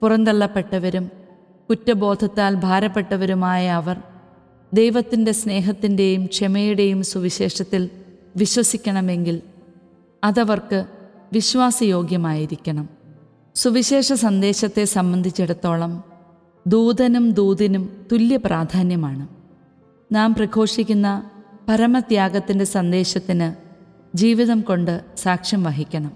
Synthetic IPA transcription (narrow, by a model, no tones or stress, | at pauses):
purɐnd̪ɐɭːɐpːe̞ʈːɐʋɐɾum | kutːɐbo̞ːd̪ʱɐt̪ːaːlbʱaːɾɐpːe̞ʈːɐʋɐɾumaːjɐːʋɐr | d̪ejʋɐt̪ːinde̞sne̞ːɦɐt̪ːinde̞jumkʂemɐjuɽe̞jumsuʋiɕe̞ːʂɐt̪ːilʋiɕwɐsikʲːɐɳɐme̞ŋɡil | ɐðɐʋɐrkɨ | ʋiɕʋaːsɐjo̞ːɡjɐmaːjiɾikʲːɐɳɐm | suʋiɕe̞ːʂɐsɐnd̪e̞ːɕɐt̪ːe̞sɐmbɐnd̪ʱit͡ɕːeɽut̪ːo̞ːɭɐm | d̪uːðɐnumd̪uːðɐnumt̪uljɐprʔaːd̪ʱaːnjɐmaːɳɨ | naːmprɐkʰo̞ːʂikʲːunːɐpɐɾɐmɐd̪jaːɡɐt̪ːinde̞sɐnd̪e̞ːɕɐt̪ːinɨ | d͡ʑiːʋiðɐmko̞ɳɖɨsaːkʂjɐmʋɐɦikʲːɐɳɐm